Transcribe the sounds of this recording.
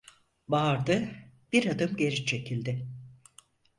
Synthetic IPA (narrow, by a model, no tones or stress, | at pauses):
baɾd̪ɯb̥iɾad̪ɯmɟe̞ɾit͡ʃʰe̞cʰilʲd̪ɪ